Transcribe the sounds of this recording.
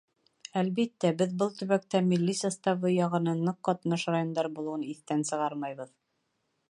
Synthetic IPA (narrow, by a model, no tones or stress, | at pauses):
ælβit̪ːæbɘðbɤlˠt̪ɵ̆βæk̚t̪æmilʲːisɑst̪ɑβɤjɑʁɤ̆nɤnːɤqːɒt̪nɤʃrajond̪ɑɾbulˠɤ̆wɤniθt̪ænsɤ̆ʁɑɾmɑjβɤð